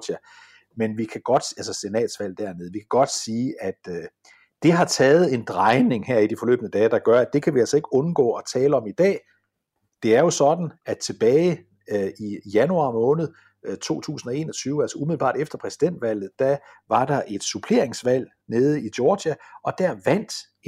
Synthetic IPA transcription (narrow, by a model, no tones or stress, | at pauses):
d̥æ | menʋikʰæɡ̥ɒ̽d̥ælsəse̝nɛ̰ːd̥sʋæl̰d̥æɐmeð̞̩ˠʋikʰæɡ̥ɒ̽d̥siːʔæd̥ | d̥e̝ɦɑ̈t͡sʰɛːð̞̩ˠe̝nd̥ʁɑ̈ɪne̝ŋhæɐ̰id̥ifɒ̽lø̰ːb̥ənəd̥ɛːd̥ɑ̈ɡ̥ɶɐæd̥e̝kʰæʋiælsɒ̽e̝ɡ̥ɔ̽nɡ̥ɔ̰ːɒ̽t͡sʰɛːləɒ̽mid̥ɛ̰ː | d̥e̝æɐjo̝sɒ̽d̥n̩æ̥t͡sʰe̝b̥ɛːɪ | ijænuɑ̈ːmɔ̽ːnð̞̩ˠ | t͡sʰo̝̰ːt͡sʰṵːsn̩ɒ̽e̝̰ːnɒt͡sʰyːʊælsɐʔumiðl̩b̥ɑ̰̈ːɾ̥efd̥ɐpʰʁɛsid̥en̰d̥ʋæl̰ð̩ˠd̥æʋɑ̈d̥ɑ̈ʔe̝d̥supʰle̝ɐeŋsʋæl̰ | ne̝ːð̞̩ˠid̥jɔːd̥æɒ̽d̥æɐ̰ʋæn̰d̥